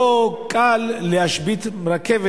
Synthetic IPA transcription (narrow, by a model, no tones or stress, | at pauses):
okʰʼalːehaʃbit̪mɾakʰev